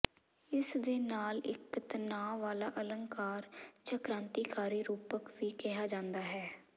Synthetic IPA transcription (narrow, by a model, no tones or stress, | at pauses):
ɪsd̪eːnaːlɪ̰kːt̪ənaːʋaːlaːʔələŋkaːɾt͡ʃəkɾãːnt̪iːkaːɾiːɾuːpəkʋiːkɪɦaːd͡ʒãːnd̪aːɦɛː